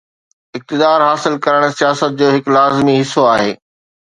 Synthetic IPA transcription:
ɪk̚t̪ɪd̪aːɾɦaːsɪlkɐɾəɽ̃sijaːsət̪̚d͡ʑoːɦɪklaːzmiɦɪsoaːɦeː

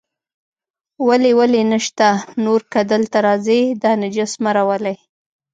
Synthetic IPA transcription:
walewalenəʃt̪anoɾkad̪əlt̪aɾɑzid̪ɑnəd͡ʒasmaɾawəlaj

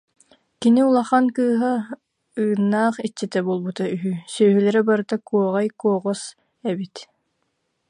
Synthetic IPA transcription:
kiniulˠaχankɯːɦa | ɯːnːaːχit͡ɕːɛt̪ɛbuːlˠbut̪ayɦysœːɦylɛɾɛbaɾɯt̪akuɔʁajkuɔʁɔs | ɛbit̪

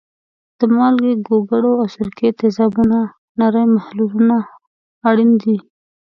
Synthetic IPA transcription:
d̪̥əmɑlɡeɡoɡaɽoawsʊɾket̪ɪzɑbuna | naɾajmahlulunaː | ɽind̪i

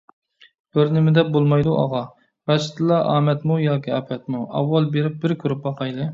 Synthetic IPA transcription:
b̥ɪɾnɪmɪd̪ɛp̚bolˠmɑjd̪uʔɑ̰ʁɑ | bɛʃt̪ʰɨlˠɑʔɑ̰ːmɛt̪mujɑːkʲʰiɛpʰɛt̪muʔɑ̰wːɑlˠbeɾɪp̚bɪɾkʲʰyɾyp̚bɑqʰɑjd̪ɨ

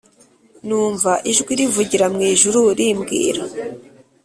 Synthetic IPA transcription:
nuːɱvaʔiʒɡwiɾivuɟiɾamŋiːʒuɾuɾimɡḭːɾa

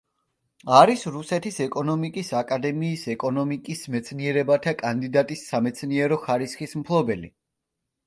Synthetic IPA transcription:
aɾisɾusɛt̪ʰisɛkʼɔnɔmikʼisakʼad̪ɛmiːsɛkʼɔnɔmikʼismɛt̪sʰniɛɾɛbat̪ʰakʼand̪id̪at̪ʼisːamɛt̪sʰniɛɾɔχaɾisχismpʰlˠɔbɛlḭ

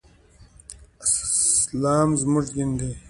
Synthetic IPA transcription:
laːmzmuʐɡind̪i

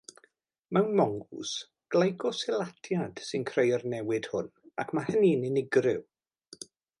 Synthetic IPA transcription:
mɛwnmɔŋɡʊ̰s | ɡ̥lˠajɡɔsɪlˠatʰjad̥sɨnkʰrejərnɛwɪd̥hʊnakʰmahəninɪnɪɡrɪw

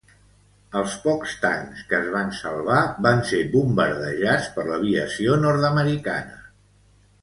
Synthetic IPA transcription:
əlˠspɔkst̪a̰ŋskəːzβ̞ansəlˠβaβansebumbəɾðəʒat͡spəɾləβ̞iəsionɔɾt̪əməɾika̰nə̰

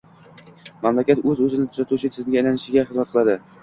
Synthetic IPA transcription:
mamlakʲat̪ɵzɵzɪnɪt̪ʰʊzat̪ʰut͡ʃʰɪt̪ʰɪzɪmɡʲaːjnanɪʃɪɡʲaχɨzmat̪̚qʰɨlˠad̪ɪ

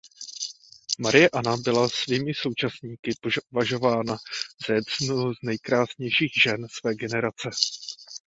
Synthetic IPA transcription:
maɾɪjɛʔanabɪlasviːmɪso̞wt͡ʃasɲiːkɪpovaʒo̞vaːnaz̥ajɛsnuznɛjkɾaːsɲɛjʃiːxʒɛnsvɛːɡɛnɛɾat͡sɛ

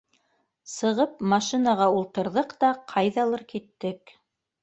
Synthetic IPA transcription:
sɤ̆ʁɤpmɑʃinaʁɑulˠt̪ɤ̆ɾðɤqt̪ɑqʰɑjðɑlˠɤɾkit̪ːɘk

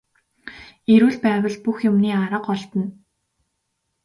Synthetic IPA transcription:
eɾuːɮpæːwə̆ɮpuxjʊmniːaɾə̆qɔɮt̪ə̆n

